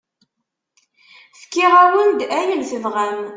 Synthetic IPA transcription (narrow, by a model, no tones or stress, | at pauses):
fkːiʁæwənd̪æjəlθəvʁæn